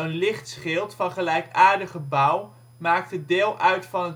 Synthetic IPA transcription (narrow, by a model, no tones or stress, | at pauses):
ənlɪχtsχɪlˠtfɑnχəlɛjkaːɹdəχəbʌw | maːk̚tədɪːlˠʔœɥtfɑnət